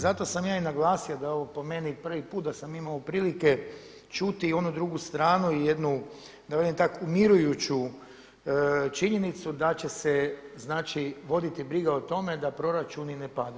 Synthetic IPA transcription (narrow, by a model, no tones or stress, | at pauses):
zat̪o̞samjaːinaɡlˠaːsiod̪ao̞ʋo̞po̞me̞nipr̩ʋipuːt̪̚d̪asamimaopɾiːlike̞ | t͡ʃut̪io̞nud̪ɾuɡust̪ɾaːnuijed̪nu | d̪aʋed̪imt̪akumiɾujut͡ɕu | t͡ʃiɲe̞nit̪sud̪at͡ɕe̞seznaːt͡ʃiʋo̞d̪it̪ibɾiɡaot̪o̞me̞d̪apɾo̞ɾat͡ʃuninepad̪a